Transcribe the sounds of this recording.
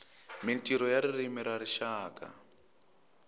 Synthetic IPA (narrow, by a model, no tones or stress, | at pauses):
mintʼiɾɔjaɾirimiɾaɾiʃaːka̰